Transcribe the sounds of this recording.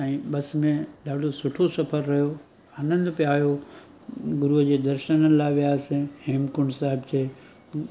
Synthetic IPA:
ãːɓɐsmẽɗaːɖʱosʊʈʰosɐfʰəɾːɐɦijo | aːnə̃nd̪ʊpijaːjo | ɡʊɾuɦəd͡ʑeːd̪ɐɾʃənənɪ̆laːɪʋijaːsɪ̃heːmkʊɳɖsaːɦɪbt͡ɕʰeː

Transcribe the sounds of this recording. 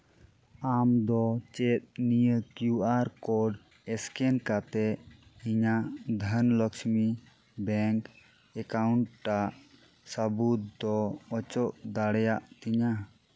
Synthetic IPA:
amd̪ɔt͡ʃɛt̪̚nijəkjuʔaɾkɔɖ | ɛskɛnkat̪ɛʔiɲad̪ʱənlɔksmi | bɛŋk | ɛkauɳʈʈaʔ | səbut̪̚d̪ɔɔt͡ʃɔʔd̪aɽɛjaʔt̪iɲa

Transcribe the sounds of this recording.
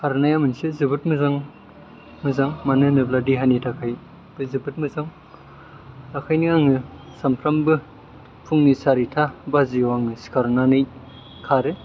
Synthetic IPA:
kʰaɾnajamɯnsɯzɯbɯt̚mɯzaŋ | mɯzaŋmanɯnɯbladiɦanitʰakʰaj | b̥ɯzɯbɯt̚mɯzaŋ | takʰajniaŋɯ | sampʰɾambɯ | pʰuŋnisaɾitʰabazijaŋɯskʰaɾnanɯj | kʰaɾɯ

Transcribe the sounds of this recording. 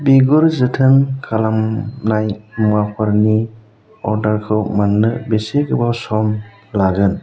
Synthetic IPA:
biɡuɾzɯtʰɯnkʰalamnajmuapʰaɾni | ɔɾdaɾkʰɯwmaŋnɯbeseɡɯbasɔm | laɡɯn

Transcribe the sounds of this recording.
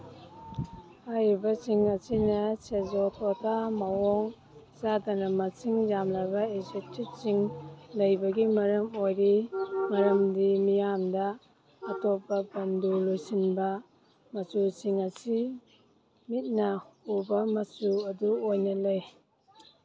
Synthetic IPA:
hajɾibɐsiŋɐsinɐsezotʰɔtʰamɐwɔŋ | zadɐnɐmɐsiŋjamlajbɐezetit̚t͡ʃiŋlɐjbɐɡimɐɾɐmojɾimɐɾɐmdimijamdɐː | tɔpːɐbɐndulojsinbɐ | mɐsusiŋɐsi | mit̚nɐubɐmɐsuɐduojnɐlɐj

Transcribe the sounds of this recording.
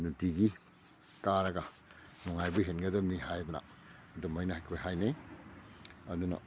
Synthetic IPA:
nudiɡi | kaɾɐɡɐ | nɔŋajbɐɦenɡɐdɐmnihajbɐnɐ̰ː | dɔmajnɐhajkʰojɦajne | ɐdunɐ̰

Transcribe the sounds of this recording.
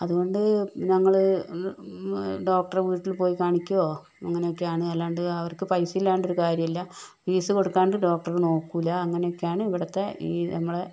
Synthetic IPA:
ɐðuɣo̞ɳɖɨnɐŋːɐɭɨ | ɖo̞ːk̚ʈɐrʋiːʈːilpo̞ːjikaːɳikʲːuoː | ɐŋːɐne̞jokːejaːɳɨɐlːaːɳɖɨɐʋɐrkːɨpɐjsiilːaːɳɖoɾukaːɾjɐmilːɐpiːsɨko̞ɽukːaːɳɖɨɖo̞ːk̚ʈɐrɨno̞ːkːuilːɐːŋːɐne̞jokːejaːɳɨiʋiɽɐt̪ːeiːnɐmːɐɭe̞

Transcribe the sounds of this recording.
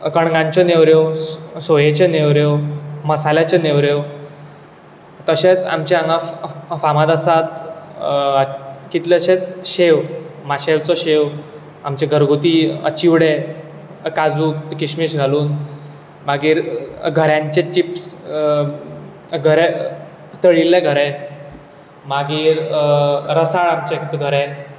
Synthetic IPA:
kəɳɡãɲt͡ɕɔneʋɾjesojet͡ɕeneʋɾeʋməsaljat͡ɕeneʋɾeʋ | t̪əɕet͡sa̰mt͡ɕeaŋɡãfamat̪əsat̪ | kit̪leɕet͡sɕeʋmaɕeʋt͡sɔɕeʋ | a̰mt͡ɕeɡʱəɾɡʱot̪iːə̰t͡ɕiʋɽe | kad͡zuːtkiɕmiːɕɡʱaluːn | maɡiːɾɡʱəɾjãɲt͡ɕet͡ɕips | ɡʱəɾɛ | t̪əɽilːeɡʱəɾɛ̃ | maɡiːɾ | ɾəsaɭamt͡ɕɛkit̪uɡʱəɾɛ̃

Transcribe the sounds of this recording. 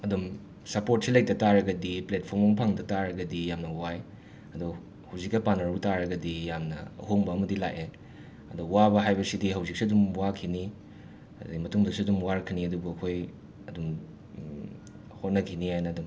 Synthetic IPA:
ɐdum | sɐpot̚silɐjk̚tɐtaɾɐɡɐdiplet̚pʰoɾmɐŋpʰaŋdɐtaɾɐɡɐdijamnɐwaj | ɐdu | hɐwzikɐpanɐɾutaɾɐɡɐdijamnɐ̰ɐ̰ɦoŋbɐːmɐdila̰ʔe | ɐduwabɐɦajbɐsidiɦɐwzik̚siɐdumwakʰini | dimɐtuŋdɐksiɐdumwaɾɐkʰiniɐdubuɐkʰoj | ɐdum | hot̚nɐkʰinihajnɐːdum

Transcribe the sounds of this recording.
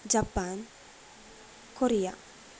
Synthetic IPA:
d͡ʒapːan | koɾija̰

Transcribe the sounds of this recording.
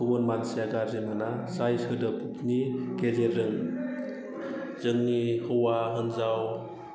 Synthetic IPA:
ɯwɯnmansijaɡaɾzimɯnasajsɯdɯpʰukniɡezeɾɯŋ | z̥ɯŋnihɯwaɦɯnzaw

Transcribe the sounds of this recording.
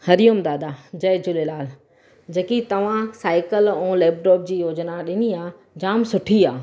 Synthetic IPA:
hɐɾijʊmd̪aːd̪ad͡ʑɐɪd͡ʑʊlelaːl | d͡ʑɐkit̪ɐʋ̤ãsaːɪkəlɛ̃ːleːp̚ʈɔːp̚d͡ʑiːjoːd͡ʑnaɗɪniaː | d͡ʑaːmsʊʈʰiaː

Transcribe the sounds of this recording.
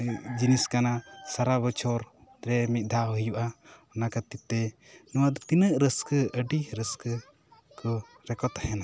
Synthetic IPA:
d͡ʒiniskanasaɾabɔt͡ʃʰɔɾɾɛmit̪̚ˀd̪ʱawɦəjuʔaɔnakat̪it̪ːɛnɔwaʔd̪ɔt̪inəʔɾəskəəɖiɾəskə | kɔ | ɾɛkɔt̪ahɛna

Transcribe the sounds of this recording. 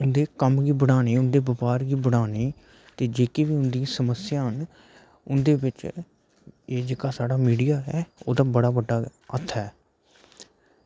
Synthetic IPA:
ʊnd̪eːkəmɡiːbəɽaːneːʊnd̪eːbəpaːɾɡiːbəɽ̃aːneː | t̪eːd͡ʒeːkeːʋiːʊnd̪ĩsəməsɪjãːɦən | ʊnd̪eːbɪt͡ʃ | eːd͡ʒeːkaːsaːɽaːmiːɖijaːɦɛːo̰ːd̪aːbəɽaːbəɖːaːət̪ʰːɛː

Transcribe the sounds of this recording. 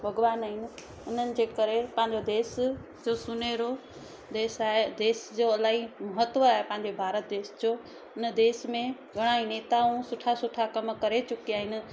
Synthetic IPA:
bʱɐɡʋaːnaɦɪnɪ̆ | ʊn̤ənɪ̆d͡ʑeːkəɾepɐ̃ɦɪ̃ɲd͡ʑod̪eːs | d͡ʑosʊneɾo | d̪eːsaːɦed̪eːsd͡ʑoəlaːimɐɦət̪ʋəaːɦepɐ̃ɦɪ̃ɲd͡ʑebʱaːɾət̪̚d̪eːsd͡ʑo | ʊnəd̪eːsmẽɡʱəɽ̃aĩneːt̪aũsʊʈʰasʊʈʰakɐmkɐɾet͡ɕʊkijaːɦɪnɪ̆

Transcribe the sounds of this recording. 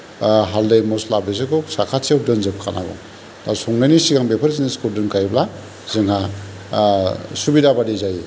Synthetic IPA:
ɦaldejmɔslabez̬ɯkɔsakʰasʰiawdɯnzɯp̚kʰana̰ɡɔ̰ | dasɔŋnajnisiɡaŋbepʰɯɾziniskuldɯnkʰajbla | z̥ɯŋɦa | subidabadizaji

